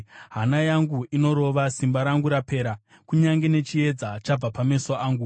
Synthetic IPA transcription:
ɦanajaŋɡuino̞ɾo̞ʋasimbaɾaŋɡuɾape̞ːɾa | kuɲaŋɡe̞ne̞t͡ʃie̞d͡zat͡ʃab͡vapame̞soʔaːŋɡu

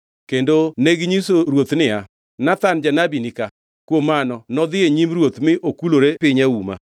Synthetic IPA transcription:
kendoneɡɲisoɾwot̪nɪa | nat̪and͡ʒanabinika | kwomanɔnɔd̪ɪeɲimɾwot̪mɪʔokuloɾepɪɲauma̰

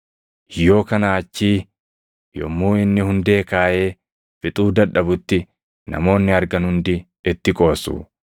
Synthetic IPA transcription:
jo̞ːkɐnaːt͡ʃːiː | jɔ̰mːuːɪnːɪhʊnd̪e̞ːkaːje̞ː | fɪt̪ʼuːd̪ɐᶑːɐbʊt̪ːɪ | nɐ̰mo̞ːnːɪɐɾɡɐnhʊnd̪ɪ | ɪt̪ːɪkʼo̞ːsṵː

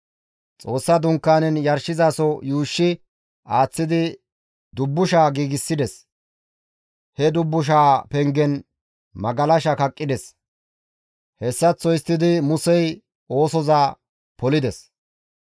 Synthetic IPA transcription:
t͡sʼo̞ːsːɐd̪ʊŋkːaːnɛnjɐɾʃɪzaːsɔjuːʃːɪ | aːt͡sːɪd̪ɪ | d̪ʊbːʊʃaːɡiːɡɪsːɪd̪ɛs | hɛd̪ʊbːʊʃ̬aːpɛŋɡɛn | mɐɡɐlɐʃɐkɐkʼːɪd̪ɛs | hɛsːɐt͡sːɔjst̪ːɪd̪ɪmʊsɛj | o̞ːsɔzaː | pɔlɪd̪ɛs

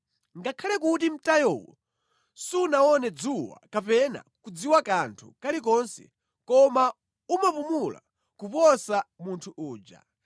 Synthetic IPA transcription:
ŋɡakʰalɛk̬utim̩tajɔwɔ̰ | siunaɔnɛd͡zuwa̰kapɛna̰kud͡ziwakantʰṵkalik̬ɔnsɛ̰ | kɔma | umapumula̰ | kupɔsamuntʰuʔuːd͡ʒa̰

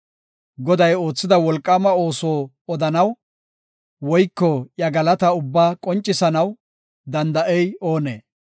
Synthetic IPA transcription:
ɡɔd̪ɐjo̞ːt͡sːɪd̪ɐwɔlkʼːɐmɐo̞ːsoː | ɔd̪ɐnɐw | wɔjkːɔjɐɡɐlɐt̪ɐʊbːaːkʼɔnt͡ʃʼːɪsɐnɐw | d̪ɐnd̪ɐʔɛjo̞ːnḛː

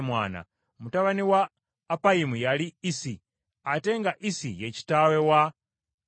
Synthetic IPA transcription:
mwa̰ːna̰ | mutaβaniwaː | paimujaliisi | atɛŋɡaʔisijet͡ʃi̥tawɛwa

